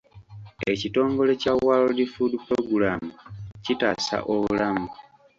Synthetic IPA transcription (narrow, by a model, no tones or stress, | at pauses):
e̞cito̞ːŋɡo̞le̞cawalodifudipɾoɡulaːmucitaːsa̰ʔoβulamu